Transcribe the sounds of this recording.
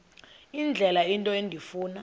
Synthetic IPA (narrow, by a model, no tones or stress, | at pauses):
ind͡ɮʱɛlaintʼɔendʱifuːna